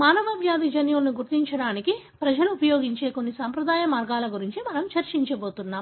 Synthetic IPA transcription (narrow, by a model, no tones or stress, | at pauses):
maːnɐbaːbʱjaːd̪id͡ʒɐnjɐlɐnuɡuɾt̪iɲt͡ʃɐɽaːniki | pɾɐd͡ʒɐluːpɐjo̞ːɡiɲt͡ʃe̞ːko̞nːisaːmpɾɐd̪aːjɐmaːɾɡaːlɐɡuɾiɲt͡ʃimɐnɐmt͡ʃɐɾt͡ʃiɲt͡ʃɐbo̞ːt̪unːaːm